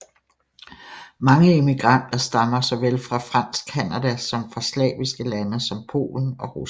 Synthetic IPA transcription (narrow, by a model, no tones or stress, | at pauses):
mɑ̈ŋəe̝miɡ̥ʁɑn̰d̥ɐsd̥ɑ̈mɐsɒ̽ʋelfʁɑ̈fʁɑ̈n̰sɡ̥ʰænæd̥æsɒ̽mfʁɑ̈slɛ̰ːʋisɡ̥əlænəsɒ̽mpʰo̝̰ːln̩ɒ̽ʁus